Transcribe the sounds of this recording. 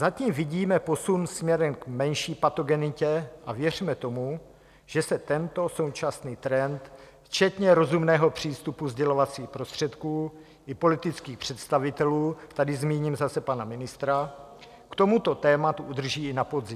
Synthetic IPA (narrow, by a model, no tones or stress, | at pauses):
zaciːmvɪɟiːmɛpo̞sunsmɲɛɾɛmkmɛnʃiːpat̪o̞ɡɛnɪcɛʔavjɛr̝imɛt̪o̞mu | ʒ̥ɛsɛt̪ɛnt̪o̞so̞wt͡ʃasniːt̪ɾɛnt̪ | ft͡ʃɛt̪ɲɛɾo̞zumnɛːɦo̞pr̝̥iːst̪upuzɟɛlo̞vat͡siːxpɾo̞st̪r̝̥ɛt̪kuː | ʔɪpo̞lɪt̪ɪt͡skiːxpr̝̥ɛt̪st̪avɪt̪ɛluːt̪adɪzmiːɲimzasɛpanamɪnɪst̪ɾa | kt̪o̞mut̪o̞t̪ɛːmat̪uʔud̪r̩ʒiːɪnapo̞dzɪm